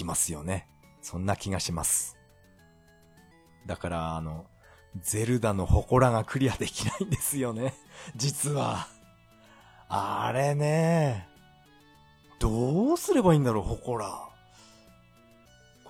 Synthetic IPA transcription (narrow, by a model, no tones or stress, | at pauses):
imasɨjo̞̰ne̞ | sõ̞nːakʲiɡaɕimasɨ̥ | d̪akaɾaːno̞ | d͡ze̞ɾɯ̟d̪ano̞ho̞ko̞ɾaɡakɯ̟ɾʲiad̪e̞kʲinaĩnd̪e̞sɨjo̞ne̞d͡ʑit͡sɨβa | aɾe̞ne̞ | d̪̥o̞sɨɾe̞baĩːnd̪aɾo̞ːho̞ko̞ɾa